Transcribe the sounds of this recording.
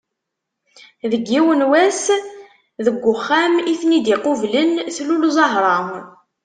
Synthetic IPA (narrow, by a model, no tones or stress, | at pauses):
ðəɡːiwənwæs | ðəɡʷːʊχːæmiθnid̪iqʊvlənθlulzˤɑɦɾˤɑm